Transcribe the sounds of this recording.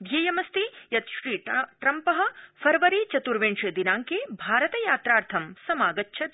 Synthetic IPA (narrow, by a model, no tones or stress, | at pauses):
d̪ʱjejɐmɐst̪ijɐt̪ʃɾiːʈɾɐmpɐɦɐ̆fʰɐɾʋɐɾit͡ʃɐt̪uɾʋeːɳʂjɐd̪inaːŋkeːbʱaːɾɐt̪ɐjaːt̪ɾaːɾt̪ʰɐmsɐmaːɡɐtːʃʰɐ